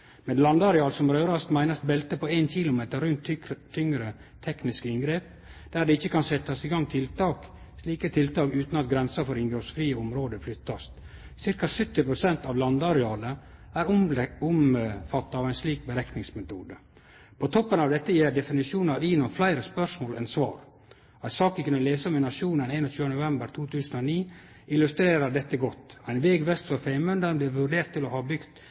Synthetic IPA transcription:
mɛnlɑnd̪ɑɾɛɑːlsɔmɾøːɾɑst̪mæɪnɑsbɛlt̪əpʰɔeːnçɪlʊmeːt̪əɾʉnt̪ʰt̪ʰːʏŋɾə | t̪ʰɛknɪskəɪnɡɾeːp̚ | d̪̥æːɖɛɪçəkʰɑnsɛt̪ːɑsiːɡɑŋːt̪ʰɪlt̪ɑːk | sliːkət̪ʰɪlt̪ɑːkʉːt̪nɑt̪̚ɡɾɛnsɑfɔɾɪŋɡɾosfɾiːəʊmɾoːd̪əflʏt̪ːɑst̪ | sɪɾkɑsʏt̪ːɪpʰɾʊsɛnt̪ɑʋlɑnd̪ɑɾɛɑːləæːɾʊʊmfɑt̪ːɑɑːʋæɪnsliːk̚bəɾɛknɪŋsmɛt̪uːd̪ə | pʰɔt̪ʰɔpːənɑʋd̪ɛt̪ːəjeːɾd̪ɛfɪnɪʂuːnɑʋiːnɔflæɪɾəspœʂmoːlʔɛ̰nsʋɑ̰ːɾ | æɪsɑːkəkʉnːəleːsəɔmɛnɑʂuːnəneːnɔt͡ʃʰʉːənnʊʋɛmbəɾt̪ʰuːt̪ʰʉːsən̩oniː | ɪlʉst̪ɾeːɾəɖɛt̪ːəɡɔt̪ːæɪnʋeːɡʋɛst̪fɾɔfæɪmʉnd̪əɾblɪːʋʉɖeːɾt̪ʰːɪlɔhɑbʏɡt̪

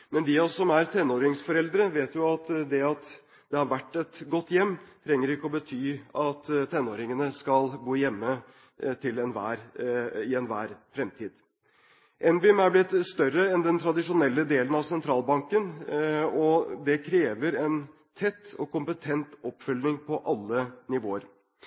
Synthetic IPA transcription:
mɛnd̪ɪɑsɔmæɾt̪ʰɛnːoːɾɪŋsfɔɾɛld̪ɾəʋeːt̪jʊɑt̪d̪ɛɑt̪ | d̪̥ɛhɑɾʋæʈːɛt̪ɡɔt̪ːjɛmːt̪ʰɾɛŋːəɾɪkːəɔbət̪ʰyːɑt̪t̪ʰɛnːoːɾɪŋənəskɑlbuːjɛmːə | t̪ʰɪlɛnʋæ̰ːɾɪɛnʋæːɾfɾɛmt̪ʰiːd̪ | ʔɛnʋɪmæɾblɪt̪ːst̪œɾəɛnd̪ɛnt̪ʰɾɑd̪ɪʂʊnɛlːəd̪eːlənɑʋsɛnt̪ʰɾɑːlbɑŋkən | ɔd̪ɛkʰɾeːʋəɾɛn | t̪ʰɛt̪ːɔkʰʊmpət̪ʰɛnt̪ɔpːfʏlnɪŋpʰɔʔɑlːənɪʋoːəɾ

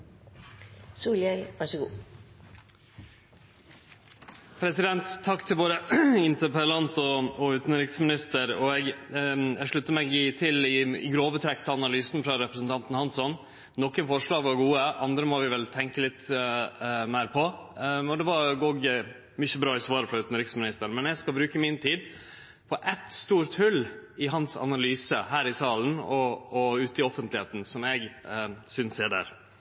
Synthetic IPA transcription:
suːljɛlʋæʂəɡuː | pʰɾɛsɪd̪ɛnt̪ʰːɑkːt̪ʰɪlʋoːɾəɪnt̪əpəlɑnt̪ɔɔʉːt̪nɾɪksmɪnɪst̪əɾɔɛɡ | ɛɡʂɭʉt̪ːəmɛɡɪt̪ʰɪlɪɪ̰ɡɾoːʋət̪ʰɾɛkt̪əɑnɑlyːsn̩fɾɑɾɛpɾəsn̩t̪ʰɑnt̪n̩hɑnsɔn | nɔkːənfɔʂɭɑːɡʋɑɾɡuːəʔɑnd̪ɾəmɔʋɪʋɛlt̪ʰɛŋkəlɪt̪ | mæɪɾpʰɔɔd̪ɛʋɑɾoɡ | mʏçəbɾɑːɪsʋɑːɾəfɾɑʉːt̪ənəɾɪksmɪnɪst̪əɾmɛnɛɡskɑbɾʉːkəmɪnt̪ʰiːd̪ | pʰɔʔɛt̪st̪uːɾt̪hʉlːɪɦɑnsɑ̰nɑlyːsəhæːɾɪsɑːlnɔɔʉːt̪ɪɔfənt̪lɪheːt̪n̩sɔmɛɡsʏnsɛːɖæ̰ːɾ

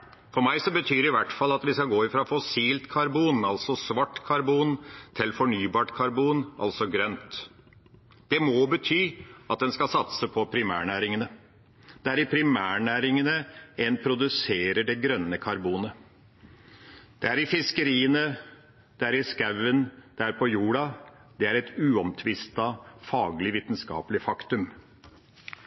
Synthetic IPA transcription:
fɔɾmæɪsɔbət̪ʰyːɾɪʋæʈfɑlːɑt̪ʋɪskɑɡoːɪfɾɑfɔsiːlt̪kʰɑɾbuːnɑlsɔsʋɑʈːkʰɑɾbuːnt̪ʰɪlfɔɳyːbɑːʈkʰɑɾbuːnʔɑ̰lsɔɡɾœnt̪ | d̪̥ɛmɔbət̪ʰyːɑt̪̚d̪ɛnskɑsɑt̪səpʰɔpʰɾɪmæ̰ːɳæːɾɪŋənə | d̪̥ɛæɾɪpʰɾɪmæːɳæːɾɪŋənəɛnpʰɾʊd̪ʉseːɾəɖɛɡɾœnːəkʰɑɾbuːnə | d̪̥ɛæɾɪfɪskəɾiːənə | d̪̥ɛæɾɪskæʋənd̪̥ææɾpʰɔjuːɽɑd̪̥ɛæɾɛt̪ʉːɔmt̪ʰʋɪst̪ɑfɑːɡlɪʋiːt̪nskɑ̰ːpəlɪfɑkt̪ʉm

